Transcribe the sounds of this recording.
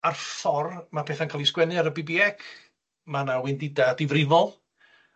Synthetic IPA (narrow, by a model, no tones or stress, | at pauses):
arfɔrmapʰeːθankʰalˠiskwɛnɨaɾəbibiɛkʰ | manawɪndɪdadɪvrɪvɔlˠ